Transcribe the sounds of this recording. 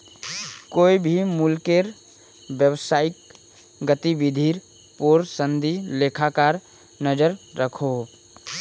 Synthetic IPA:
koːibʱimʊlkeɾ | wjəwsaːɪk̚ | ɡət̪ibɪd̪ʱiːɾ | poːɾsə̃nd̪ileːkʰakaːɾ | nəd͡ʒəɾːəkʰo

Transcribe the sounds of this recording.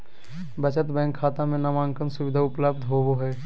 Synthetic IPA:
bət͡ʃət̪bɛ̃ːŋkʰːaːt̪ãmẽnamãːŋkənsʊʋɪd̪ʱaʊpləb̚d̪ʱɦoːboɦɛː

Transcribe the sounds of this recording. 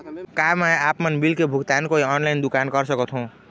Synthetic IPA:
kamɛapmənbilkebʱuɡt̪ankoiɔnlaind̪ukankəɾsəkət̪ʰɦũ

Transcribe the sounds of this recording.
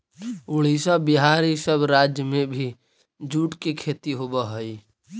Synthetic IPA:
uɭisabiɦaɾisəbɾad͡ʒjəmebʱi | d͡ʒuʈkekʰet̪iɦobəɦəj

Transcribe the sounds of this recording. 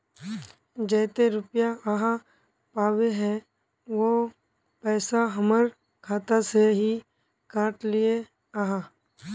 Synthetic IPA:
d͡ʒɛːt̪eɾʊpjaʔəɦã | paːweɦɛ̃ | ʋo | pɛːsaɦəməɾ | kʰaːt̪aseɦi | kaːʈlɪe | aɦã

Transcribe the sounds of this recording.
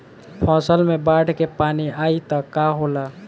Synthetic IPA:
pʰɔ̃ːsəlmẽbaːɖʱkepaːniaːit̪akaɦoːla

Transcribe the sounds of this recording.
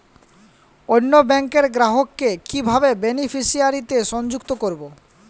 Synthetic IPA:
onːobɛŋkeɾɡɾaɦokːekibʱabebenifiʃiaɾit̪eʃɔnd͡ʑukt̪okoɾbo

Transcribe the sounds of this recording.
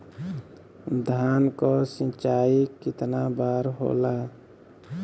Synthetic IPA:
d̪ʱaːnkosĩt͡ʃaːikɪt̪nabaːɾɦo̰ːlaː

